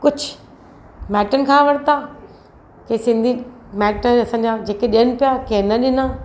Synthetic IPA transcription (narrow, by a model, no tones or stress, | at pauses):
kʊd͡ʑʱ | mɛːʈənɪ̆kʰãːʋɐɽt̪aː | kesɪ̃nd̪ʱi | mɛːʈəɐsã̆ːd͡ʑad͡ʑeːkeɗijənɪ̆pijakenɐɗɪnaː